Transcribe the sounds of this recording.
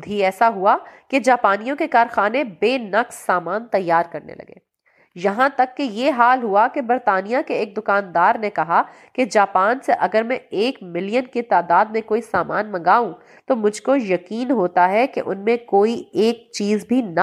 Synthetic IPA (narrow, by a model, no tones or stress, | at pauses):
d̪ʱiɛːsaɦuaked͡ʒaːpaːnijõkekaːɾxaːnebeːnɐqsːaːmaːnt̪ɐjːaːɾkɐɾnḛlɐ̰ɡḛː | jɐɦãt̪ɐkːejeɦaːlɦuakebɐɾt̪aːnijakeeːk̚d̪ʊkaːnd̪aːɾnekɐɦa | ked͡ʒaːpaːnseʔɐɡəɾmɛ̃eːkmɪlijənket̪aːd̪aːd̪̚mẽkoːisaːma̰ːnmɐ̃ŋɡaːũ | t̪omʊd͡ʒʱkojɐkiːnɦoːt̪aɦɛkḛʔʊ̰nmẽkoːieːk̚t͡ʃiːzbʱinɐ